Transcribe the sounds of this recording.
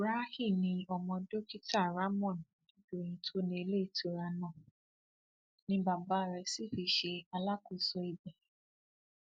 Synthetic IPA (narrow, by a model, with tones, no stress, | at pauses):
ɾa˦hĩ˦˨nĩ˧ɔ˧mɔ̃˧do˦ki˦ta˦˨ɾa˦mɔ̃˦˨n | ĩ˨˦d͡ʒõ˦˨ĩ˨˧tʰo˦nĩ˦e˧le˦i˦˨tʰo˨˦ɾa˧nã˦˨ | nĩ˧˦ba˨ba˦˨ɾɛ˧si˦˨fi˧ʃe˧a˧la˦ku˦˨so˧i˧bɛ˨